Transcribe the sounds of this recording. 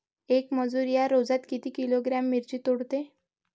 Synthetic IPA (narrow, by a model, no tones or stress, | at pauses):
ekməd͡zuɾjaɾod͡zat̪kit̪iːkiloɡɾamːiɾt͡ɕiːt̪oɽt̪e